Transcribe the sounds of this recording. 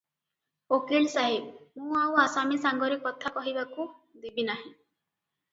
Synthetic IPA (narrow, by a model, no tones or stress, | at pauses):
okeɭsaɦebmũaw̃asamisaŋɡɔɾekɔt̪ʰapɔɦibakud̪ibinaɦĩ